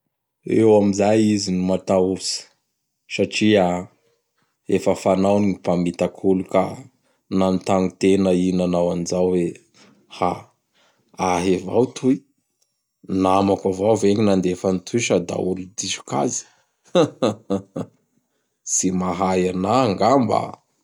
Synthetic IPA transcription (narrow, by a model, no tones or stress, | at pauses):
ewamizajizinimat̪ausə̥ | saʈ͡ʂia | efəfanawniŋipamit̪akʰuluka | nanit̪aŋut̪enəinanawanizawwe | ha | aɦevawt̪ʰui | namakavawveŋinand̪efanit̪ʰuʃad̪a̰ulud̪izu̥ka̰zi̥ | simaɦajanaŋɡamba̰